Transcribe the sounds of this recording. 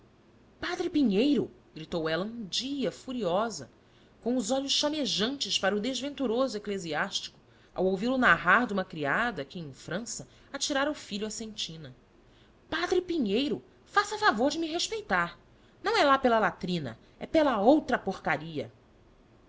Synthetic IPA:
pad̪ɾɪpiɲejɾʊ | ɡ̥ɾit̪owɛlɐũd͡ʒiɐfuɾiɔzɐ̰ | kõʊzɔʎʊsʃameʒɐ̃nt͡ʃɪʃpaɾɐʊd̪ezvẽnt̪uɾozʊekleziaʃt͡ʃi̥kʊ̥ | a̰wowviɾʊnaɦaɾd̪ũmɐkɾiad̪ɐkɪẽj̃fɾɐ̃sɐ | at͡ʃiɾaɾɐufiʎuɐsẽnt͡ʃĩnɐ | pad̪ɾɪpiɲejɾʊ | fasɐfavoɾd͡ʒɪmiɦeʃpejt̪aɾ | nɐ̃w̃ɛlapelɐlat̪ɾĩnɐ̰ | ɛpelɐowt̪ɾɐpoɾkaɾiɐ̰

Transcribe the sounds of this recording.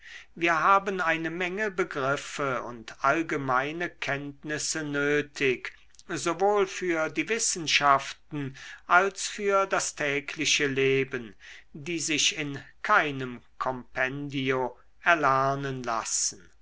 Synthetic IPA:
viːɐɦaːbənaɪnəmɛŋəbəɡʁɪfəʊ̰ntʔalɡəmaɪnəkʰɛntnɪsənøːtʰɪk | zovoːlfyːɐdiːvɪsn̩ʃaftn̩ʔalsfyːɐdastʰɛːkʰlɪʃəleːbəndiːzɪʃɪnkʰaɪnəmkʰɔmpʰɛndio | ʔɛɐlæɐnənla̰sn̩

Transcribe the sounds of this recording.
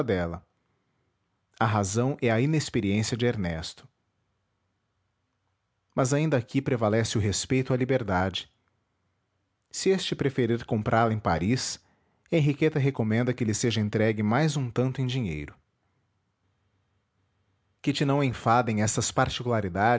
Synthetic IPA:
d̪ɛlɐ | ɐɦazɐ̃w̃ʔɛɐinespeɾiẽsiɐd͡ʒɪeɾnɛst̪ʊ̥ | mɐzaĩnd̪ɐakʰipɾevalɛsɪʊɦespejt̪ʊalibeɾd̪ad͡ʒɪ̥ | sɪest͡ʃɪpɾefeɾiɾkõpɾʔaɾlɐẽj̃paɾis | ẽɦiket̪ɐɦekomẽnd̪ɐkɪlɪseʒɐẽnt̪ɾɛɡɪmajzũt̪ɐ̃nt̪ʊẽj̃d͡ʒiɲḛjɾʊ | kɪt͡ʃɪnɐ̃w̃ẽfad̪ẽj̃ɛst̪ɐspaɾt͡ʃikulaɾid̪a

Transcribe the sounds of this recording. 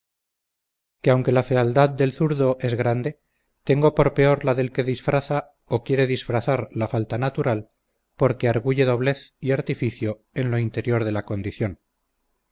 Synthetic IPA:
keawŋke̞lafe̞ald̪að̚d̪e̞lθuɾðo̞ʔe̞zɣɾand̪e̞ | t̪e̞ŋɡo̞po̞ɾpe̞o̞ɾlaðe̞lke̞ðisfɾaθa | okje̞ɾe̞ðisfɾaθaɾlafalt̪anat̪uɾal | po̞ɾke̞aɾɣuʝe̞ðo̞βle̞θiaɾt̪ifiθjo̞ | e̞nlo̞int̪e̞ɾjo̞ɾð̞e̞lako̞nd̪iθjo̞n

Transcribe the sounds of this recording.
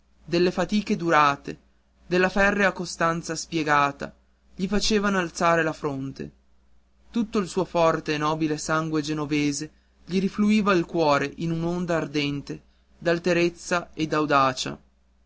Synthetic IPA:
d̪elːefat̪iːked̪uɾaːt̪e | d̪elːafɛrːeakːost̪ant̪saspjeɡaːt̪a̰ | ʎifat͡ʃeːvanoalt̪saːɾelafɾont̪ḛ | t̪ut̪ːoilsuːofɔrt̪eːnɔːbilesaŋɡwed͡ʒenoveːze | ʎiɾifluiːvailkwɔːɾeʔinunond̪aːrd̪ɛnt̪e | d̪alt̪eɾet̪sːaed̪awd̪aːt͡ʃa̰

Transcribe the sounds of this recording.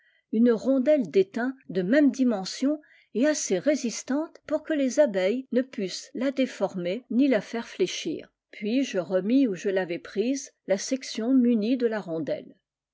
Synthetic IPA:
ynəʁɔ̃d̪ɛld̪et̪ɛ̃d̪əmɛmd̪imɑ̃sjɔ̃ | ɛaseʁezist̪ɑ̃t̪puʁkəlezabɛjnəpyslad̪efɔʁmenilafɛʁfleʃḭːʁ | pɥiʒəʁəmiuʒəlavɛpχizlasɛksjɔ̃mynid̪əlaʁɔ̃d̪ɛ̰l

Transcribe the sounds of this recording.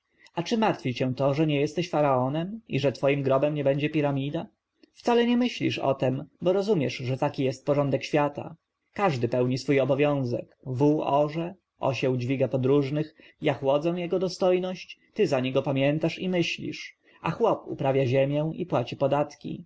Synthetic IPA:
at͡ʂɘmaɾt̪fʲit͡ɕɛw̃t̪ɔʐɛɲɛjɛst̪ɛɕfaɾaɔnɛmḭʐɛt̪fɔjimɡɾɔbɛmɲɛbɛɲd͡ʑɛpʲiɾamʲid̪a | ft̪salɛɲɛmɘɕlʲḭʂɔ̰t̪ɛmbɔɾɔzumʲjɛʂʐɛt̪akʲijɛst̪̚pɔʐɔnd̪ɛkɕfʲjat̪a̰ | kaʐd̪ɘpɛwɲisfujɔbɔvʲjɔ̃w̃zɛ̰kvuɔʐɛ | ʔɔ̰ɕɛwd͡ʑvʲiɡapɔd̪ɾuʐnɘx | jaxwɔd̪zɛw̃jɛɡɔd̪ɔst̪ɔjnɔɕt͡ɕt̪ɘzaɲɛɡɔpamʲjɛnt̪aʂimɘɕlʲḭʂ | axwɔpṵpɾavʲjaʑɛmʲjɛw̃ipwat͡ɕipɔd̪at̪kʲḭ

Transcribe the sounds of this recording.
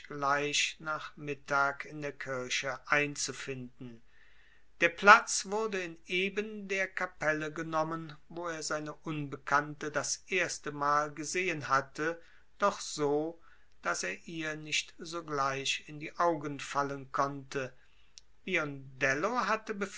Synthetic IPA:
ɡ̥laɪʃnaːχmɪtaːkɪndeːɐkʰɪɐʃəʔaɪnt͡sufɪndn̩ | d̥eːɐpl̥at͡sv̥ʊɐdəɪneːbəndeːɐkʰapɛləɡənɔmənvoːeːɐzaɪnəʔʊnbəkʰantədasʔeːɐstəmaːlɡəzeːənhatʰə | d̥ɔχz̥oː | d̥aseːɐʔiːɐnɪʃtz̥oːɡlaɪʃɪndiːʔaʊɡənfalənkʰɔntə | b̥iɔndɛloɦatəbəf

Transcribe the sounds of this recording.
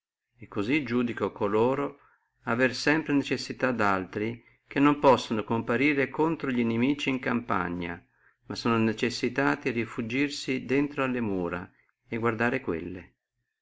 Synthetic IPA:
ɛkːozid͡ʒuːd̪ikokoloːɾo | aversɛmpɾenet͡ʃesːit̪ad̪alt̪ɾi | kenːompɔsːonokompaɾiːɾekont̪ɾoʎinemiːt͡ʃiːŋkampa̰ɲːa̰ | masːɔːnonet͡ʃesːit̪aːt̪irifud͡ʒːirsid̪ent̪ɾoalːemuːɾa | eɡward̪aːɾekwḛlːe

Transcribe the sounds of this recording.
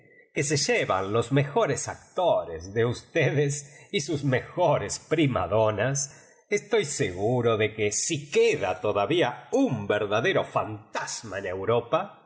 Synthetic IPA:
kese̞ʒeβa̰nlo̞zmexo̞ɾesak̚t̪oɾezðeust̪eðesisuzme̞xoɾespɾima̰ðo̞nas | est̪o̞jseɣuɾoðe̞kesikeðat̪o̞ðaβiaumbeɾðaðe̞ɾo̞fant̪az̥maene̞wɾo̞pa

